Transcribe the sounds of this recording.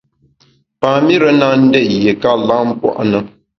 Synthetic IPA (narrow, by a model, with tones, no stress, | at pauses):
paː˨mi˦ɾə˦na˦n̩˦dɛ˦˨je˨ka˦la˦m̩˦pwɔ̰˦ʔa˦nɨ˦